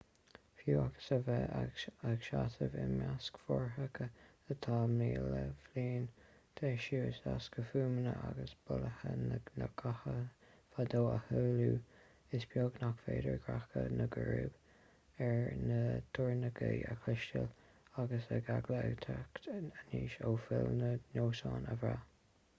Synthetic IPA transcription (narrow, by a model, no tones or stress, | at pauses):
fjuːaɡə̥səvɛaɡʃatəvɪnmjaskfɔɹɦəkʰə | ət̪ʰaːmiːləfliːn | t̪ʰeːʃuːɪsaskəfuːmənəaɡəsb̥ʊləhənnəɡʰahəfad̪oːəhuːluː | ɪsbʰjoɡnakfeːdəɹɡɹakənəɡəɹuːb̥ | ɛɹnət̪ʰʊɹnəɡəjəkʰlɪʃtəl | aɡəsəɡaɡləət̪ʰaktəniːʃoːfɪlnənoːsɑːnəvɹa